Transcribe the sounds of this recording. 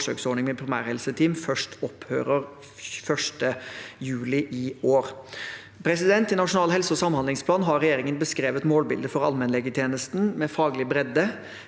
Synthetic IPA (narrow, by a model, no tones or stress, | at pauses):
ʂø̰ːksɔɳɪŋmɛpʰɾɪmæ̰ːɾhɛlsət̪ʰiːmfœʂʈʰɔpʰhø̰ːɾəɾ | fœʂʈəjʉːlɪʔɪoːɾ | pʰɾɛsɪd̪ɛnt̪ɪnɑʂʊnɑːlɦɛlsəɔsɑmhɑnd̪lɪŋspʰlɑːnɦɑɾɾɛjeːɾɪŋənbəskɾeːʋət̪moːlbɪ̰ld̪əfɔɾɑ̰lmɛnlɛɡət̪ʰjeːnəst̪n̩mɛfɑːɡlɪbɾɛd̪ːə